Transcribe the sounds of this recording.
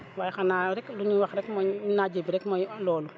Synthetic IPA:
waːjxanaːɾɛkluɲiwaxɾɛkmɔinaːd͡ʒebiɾɛkmɔjlɔːlu

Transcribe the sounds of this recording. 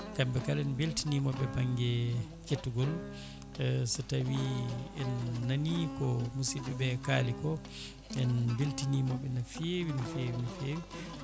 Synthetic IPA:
kambɛkalɛnbeltinimɔbɛbaŋɡɛ | ketːuɡɔl | sɔtawiɛnːanikɔmusiɓɛbɛkalikɔ | ɛnbeltinimɔɓɛnafewinafewinafewi

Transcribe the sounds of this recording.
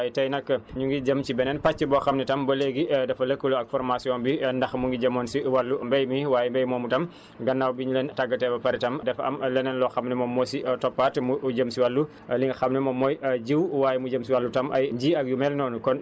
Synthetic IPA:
jitɐjnɐkːɐɲuŋɡiɟɐmt͡ʃibɛnɛnpat͡ʃːəbɔxɐmnitɐmbɐleɡidɐfɐlɐkːəluɐk̚fɔɾmasiɔːnbindɐxmuŋɡiɟɐmɔːnsiwɐlːumbɛjmiwaːjɛmbɛjmɔːmutɐm | ɡɐnːawbiɲuleːntaɡːɐtɛbɐpɐɾitɐmdɛfɐ̰mlɛnɛnlɔxɐmnɛmɔmːɔsitɔpːatmuɟəmsiwɐlːu | liŋɡxɐmnɛmɔmɔːjɟiwwaːjɛmuɟəmsiwɐlːutɐmʔɐ̰jɟiːɐk̚jumɛlnɔːnukɔn

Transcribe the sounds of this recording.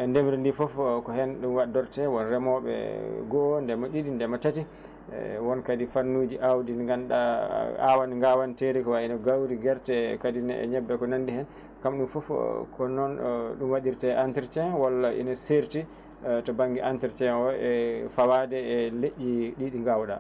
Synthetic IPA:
ɛndemɾindifɔfkɔɦɛnɗumwadɔɾtɛwɔnɾɛmɔɓɛ̰ɡɔndɛmaɗiɗindɛmatatḭ | wɔnkadifanːud͡ʒiʔawdinɡanɗa̰a̰wanŋɡawanteɾikɔwainɔɡawɾiɡɛɾtɛkadinɛʔɛ̰ɲɛbːɛkɔnandihɛn | kamɗumfɔfkʰɔnɔnɗumwaɗiɾtɛʔantiɾt͡ʃɛwalaʔḭnɔseɾti | tɔbaŋɡiʔantiɾt͡ʃɛɔɛfawadɛːleʔʲːiɗiɗiŋɡawɗa̰

